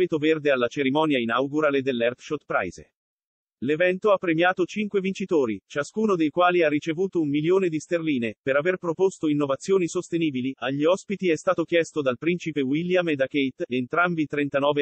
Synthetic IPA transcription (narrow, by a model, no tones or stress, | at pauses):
et̪overd̪ealːat͡ʃeɾimɔːnjainawɡuɾaled̪elːɛrfʃot̪pɾa̰jzḛ | levɛnt̪oapːɾemjaːt̪ot͡ʃiŋkwevint͡ʃit̪oːɾit͡ʃaskuːnod̪ejkwaːliarːit͡ʃevuːt̪oumːiljoːned̪ist̪erliːnepeɾaverpɾopost̪oinːovat̪sːjoːnisost̪eniːbiliʔaʎːiɔspit̪iɛst̪aːt̪ok̟jɛst̪od̪alpɾint͡ʃipewiljamed̪akejt̪ent̪ɾambit̪ɾent̪anɔːve